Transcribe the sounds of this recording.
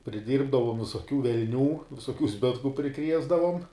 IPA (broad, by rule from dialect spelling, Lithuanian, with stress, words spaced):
pʲrʲɪˈdʲiːrbdɐʋoːm ʋʲɪsoːˈkʲuː ʋʲɛlʲˈnʲuː ʋʲɪsoːˈkʲuː ˈzʲbʲɪtkʊ pʲrʲɪˈkrʲiɛzdɐʋoːm